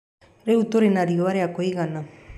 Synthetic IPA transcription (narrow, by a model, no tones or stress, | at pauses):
ɾeut̪oɾenaɾioaɾeakoiɣana